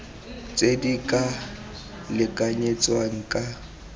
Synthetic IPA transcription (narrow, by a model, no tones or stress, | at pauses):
t͡sʼedikʼa | lɪkʼaɲet͡sʼwaŋ̩kʼa